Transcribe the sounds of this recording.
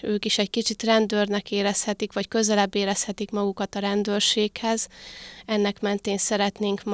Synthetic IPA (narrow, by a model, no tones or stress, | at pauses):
øːkiʃɛɟkit͡ʃit̪rɛnd̪øːrnɛkeːɾɛshɛt̪ikʋɒckø̞zɛlɛbːeːɾɛshɛt̪ikmɒɡukɒt̪ɒɾɛnd̪øːrʃeːkhɛzɛnːɛkmɛnt̪eːnsɛɾɛt̪neːŋkm